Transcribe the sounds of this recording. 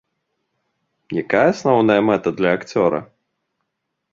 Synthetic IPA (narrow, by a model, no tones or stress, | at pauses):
jakajɐasnɔwnɐjɐmɛt̪ɐd̪lʲɐːkt͡sʲɔɾɐ̰